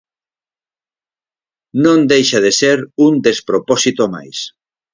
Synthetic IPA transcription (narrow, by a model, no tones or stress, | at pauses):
nõnd̪ejʃað̞eseɾund̪espɾopɔsit̪oma̰js